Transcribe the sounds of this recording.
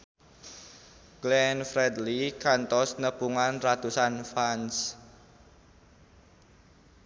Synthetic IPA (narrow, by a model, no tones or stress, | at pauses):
ɡ̥lɛnfɾɛd̪likant̪ɔsnəpuŋanrat̪usanfans